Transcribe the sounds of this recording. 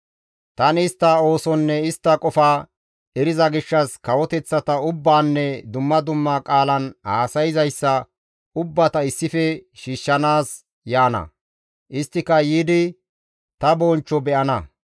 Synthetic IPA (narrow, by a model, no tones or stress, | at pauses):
t̪ɐnɪst̪ːɐo̞ːsɔnːɛɪst̪ːɐkʼɔfaː | ɛɾɪzɐɡɪʃːɐskɐwɔt̪ɛt͡sːɐt̪ɐʊbːaːnːɛd̪ʊmːɐd̪ʊmːakʼaːlɐnhaːsɐjɪzɐjsːɐ | ʊbːɐt̪ɐɪsːɪfɛʃiːʃːɐnaːs | jaːnɐ̰ | ʔɪst̪ːɪkɐjiːd̪ɪ | t̪ɐbont͡ʃːɔbɛʔɐnɐ